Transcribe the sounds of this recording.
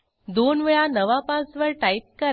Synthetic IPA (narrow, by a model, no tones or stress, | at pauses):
d̪onʋeɭanəʋapãt͡sʋəɭʈaip̚kəɾ